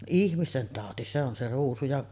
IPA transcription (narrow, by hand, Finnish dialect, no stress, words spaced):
ihmisten tɑˑoti se on se ruːsu jɑʔ